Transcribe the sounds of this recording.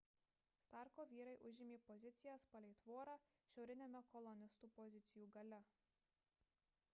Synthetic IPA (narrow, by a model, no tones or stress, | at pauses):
st̪ɑˑɾkoːʋʲiːɾɐɪʔʊʒʲɪmʲeːpɔzʲɪt̪sʲɪjɛspɐlʲɛɪt̪ʋoːɾɑː | ʃʲɛʊɾʲɪnʲemʲɛkɔlˠɔnʲɪst̪uːpɔzʲɪt̪sʲɪjuːɡɐlʲɛ